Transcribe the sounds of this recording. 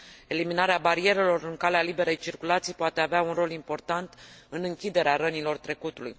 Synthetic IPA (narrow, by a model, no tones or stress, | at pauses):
e̞liminaɾeabaɾie̞ɾe̞lo̞rɨŋkalealibe̞ɾejt͡ʃirkulat̪sijpoat̪eaveaunro̞limpo̞rt̪ant̪ɨnɨŋkʲid̪e̞ɾeaɾənilo̞rt̪ɾe̞kut̪ulṵj